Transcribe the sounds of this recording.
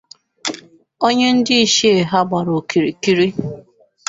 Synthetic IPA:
o˦ɲe˦n̩˦dɪ˦i˦ʃe˦e˨ɦa˦ɡ͡ba˨ɾo˨ki˨ɾi˨ki˦ɾi˦

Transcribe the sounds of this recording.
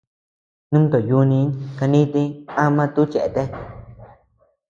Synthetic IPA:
nũ˦m˦t̪o˨ju˧nĩ˧˦ka˧nĩ˦t̪ĩ˧ã˧mã˦˧t̪u˦t͡ʃe˨ʔe˧t̪e˧˦

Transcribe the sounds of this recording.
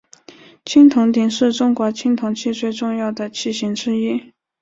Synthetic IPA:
t͡ɕʰi˥ŋt̪ʰʊ˧˥ŋt̪̬i˨˩ŋʂɻ̩˥˩ʈ͡ʂʊ˥ŋkwɔ˧˥t͡ɕʰi˥ŋt̪ʰʊ˧˥ŋt͡ɕʰi˥˧t͡swe˥˧ɪʈ͡ʂʊ˥˧ŋjɑ˥˩ʊd̪ə˩t͡ɕʰi˥˩ɕi˧˥ŋʈ͡ʂɻ̩˥i˥˩

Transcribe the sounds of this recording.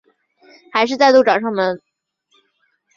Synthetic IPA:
xa˧˥ɪʂ̬ɻ̩˧t͡sa˥˧ɪt̪u˥˩ʈ͡ʂɑ˨˩ʊʂɑ˥˩ŋmə˨˩n

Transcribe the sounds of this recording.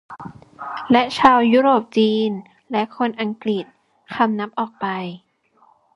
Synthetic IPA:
lɛ˦˥ʔt͡ɕʰaː˧wjuː˦˥ɾoː˨˩p̚t͡ɕiː˧n | lɛ˦˥ʔkʰo˧nʔa˧ŋkɾi˨˩t̪̚ | kʰa˧mna˦˥p̚ʔɔː˨˩k̚pa˧j

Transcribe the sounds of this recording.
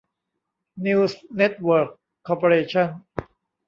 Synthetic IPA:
niː˧wsne˦˥t̪̚wəː˨˩kʰː | ɔː˧po˧ɾeː˧t͡ɕʰa˥˩n

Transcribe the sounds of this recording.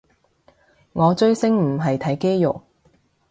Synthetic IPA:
ŋɔː˨˧t͡ʃɵ˥ɥsɪ˥ŋm̩˨˩ɦɐ˨jt̪ʰɐ˨˥jke˥jjʊ˨k̚

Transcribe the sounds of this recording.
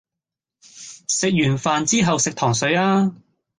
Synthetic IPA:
sɪ˨k̚jyː˨˩nfaː˨nt͡siː˥ɦɐ˨wsɪ˨k̚t̪ʰɔː˨˩ŋsɵ˨˥ɥaː˥

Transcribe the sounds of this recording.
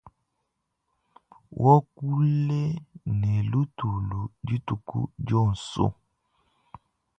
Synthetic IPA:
wʔɔ˦ku˦le˦nɛ˨lu˦tu˨lu˨d͡ʒi˦tu˨kṵ˦d͡ʒɔ˦˨n̩˨so̰˦

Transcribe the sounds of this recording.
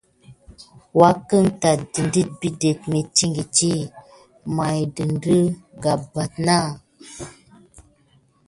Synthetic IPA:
wa˦kə˦ŋta˨di˨ndi˦t̚bi˦de˨t̚me˨t͡ʃi˦ŋɡi˨t͡ʃi˦ | ma˨jdɨ˨ndɨ˦ɡa˨ba˨t̚na˦˨

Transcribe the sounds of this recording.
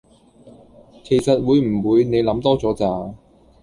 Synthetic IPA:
kʰe˨˩jsɐ˨t̚wuː˨˧jm̩˨˩wuː˨˧jne˨˧jlɐ˨˥mt̪ɔː˥t͡sɔː˨˥t͡saː˨˧

